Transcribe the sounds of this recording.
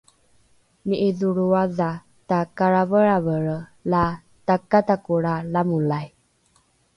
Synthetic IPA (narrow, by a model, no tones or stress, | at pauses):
niʔiðuɾuaða | takaɾavəɾavəɾla | takatakuɾalamulaj